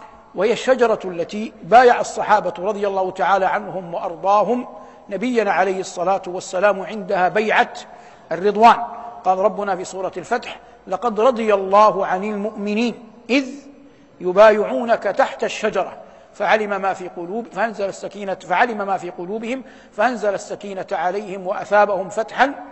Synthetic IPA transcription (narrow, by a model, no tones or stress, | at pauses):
wahɪjaʃːad͡ʒɑɾˤɑalːat̪iːbaːjaʕasˤːɑħaːbaɾˤɑd̪ˤɨjalːɑːhʊt̪aʕaːlaːʕanhʊmwɑʔɑɾˤd̪ˤɑːɦʊm | nabɪjːanaʕalajhɪsˤːɑlaːt̪ʊwasːalaːmʕɪnd̪ahaːbajʕat̪ | arːɨd̪ˤwaːnqɑːlɾˤɑbːʊnaːfiːsˤuːɾˤɑalfat̪ħ | lɑqɑd̪ɾˤɑd̪ˤɨjalˤːɑːɦʊʕanɪlmʊʔmɪniːn | ʔɪð | jʊbaːjɪʕuːnakat̪aħt̪aʃːad͡ʒɑɾˤɑ̰ | faʕalɪmamaːfiːqʊluːfaʔanzalasːakiːnafaʕalɪmamaːfiːqʊluːbɪhɪm | faʔanzalasːakiːnaʕalajhɪmwaʔa̰θaːbahʊmfat̪ħan